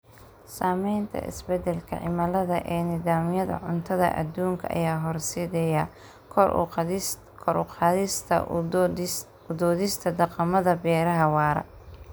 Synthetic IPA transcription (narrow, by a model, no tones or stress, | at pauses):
saːmɛjnt̪ʰɐ̰ʔɪ̰sbɛd̪ɛlkʰɐ̰ʕɪ̰mɐlɐðɐʔɛːnɪðaːmɪjɐðɐ̰ʕʊnt̪ʰɐðɐ̰ʔɐ̰d̪uːŋkʰɐ̰ʔɐ̰jaːɦɔrsiːðɛja | kʰɔr̰ | kʰɔɾʊqɑːðɪst̪ʰɐ̰ | ʊd̪ɔːðɪst̪ʰɐd̪ɑqɑmɐðɐbɛːɾɐɦɐwɑːɾɐ̰